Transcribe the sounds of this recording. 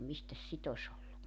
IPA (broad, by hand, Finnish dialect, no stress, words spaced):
mistæs sit os olːu